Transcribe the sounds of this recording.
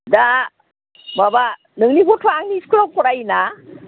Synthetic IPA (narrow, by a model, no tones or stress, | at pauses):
da | maba | nɯŋnibɔtʰaaŋniːskɯlakɔɾajina